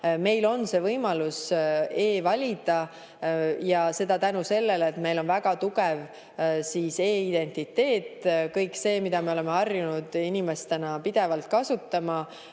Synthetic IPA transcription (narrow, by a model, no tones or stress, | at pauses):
me̞jlo̞nse̞ːvɤjmɑluse̞ːvɑlʲid̪̥ɑ | jɑse̞d̪̥ɑt̪ænuse̞lːelet̪me̞jlo̞nvæɡ̥ɑt̪uɡev | siːse̞ːid̪̥e̞nʲt̪it̪ːe̞ːt̪ːkɤjkse̞ːmid̪̥ɑme̞o̞le̞meɑrjunud̪̥inime̞st̪enɑpid̪̥e̞vɑlt̪̚kɑsut̪ːɑmɑ